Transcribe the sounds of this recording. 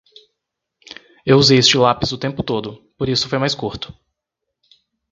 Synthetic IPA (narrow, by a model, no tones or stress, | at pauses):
ewuzejest͡ʃɪlapizʊt̪ẽmpʊt̪od̪ʊpoɾisʊ̥fojmajskuɾt̪ʊ̥